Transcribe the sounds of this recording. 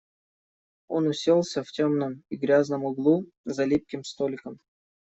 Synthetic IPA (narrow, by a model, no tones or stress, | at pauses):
o̞nʊsʲelˠsʲəftʲomnəmiɡɾʲaznəmʊɡlˠu | zɐlʲip̚kʲɪmst̪olʲɪkəm